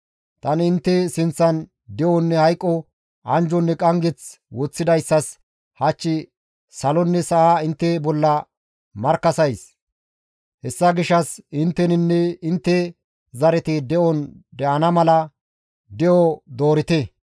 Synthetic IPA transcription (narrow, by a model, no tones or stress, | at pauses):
t̪ɐnɪnt̪ːɛsɪnt͡sːɐn | d̪ɛʔɔnːɛhɐjkʼːɔ | ɐnd͡ʒɔnːɛkʼɐŋɡɛt͡s | wɔt͡sːɪd̪ɐjsːɐs | hɐt͡ʃːɪ | sɐlɔnːɛsɐʔaɪnt̪ːɛbɔlːɐ | mɐɾkːɐsɐjs | hɛsːɐɡɪʃːɐsɪnt̪ːɛnɪnːɛɪnt̪ːɛ | zɐɾɛt̪ɪd̪ɛʔɔnd̪ɛʔɐnɐmɐlɐ | d̪ɛʔɔd̪o̞ːɾɪt̪ɛ